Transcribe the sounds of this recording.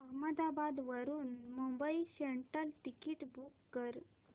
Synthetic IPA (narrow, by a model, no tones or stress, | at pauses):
əɦməd̪abad̪ʋəɾuːnmumbəiseɳʈəlʈikiːʈbukːəɾ